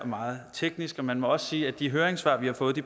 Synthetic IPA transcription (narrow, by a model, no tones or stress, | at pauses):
ɒ̽mɑ̈ːð̞̩ˠt͡sʰeɡ̥nisɡ̥ɒ̽mænmɒ̽ɒ̽ssiːæd̥iɦøːɐeŋsʋɑ̰̈ʋihɑ̈fɔ̽ːð̩ˠd̥i